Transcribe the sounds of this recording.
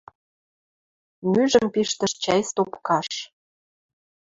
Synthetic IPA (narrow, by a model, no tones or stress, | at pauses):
myʒə̆mpiʃt̪ə̆ʃt͡ɕæjst̪opkɑʃ